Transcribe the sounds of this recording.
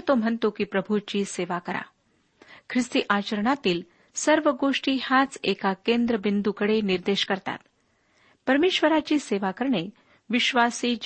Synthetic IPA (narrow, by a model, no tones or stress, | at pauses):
t̪om̤əɳt̪okipɾəbʱut͡ɕiːseʋakəɾa̰ | kʰɾist̪iʔat͡ɕəɾəɳat̪iːl | səɾʋəɡoʂʈiːhãt͡sekakend̪ɾəbind̪ukəɽeniɾd̪eɕkəɾt̪a̰t̪ | pəɾmeːɕʋəɾat͡ɕiːseʋakəɾɳe | ʋiɕʋasiːd͡ʑ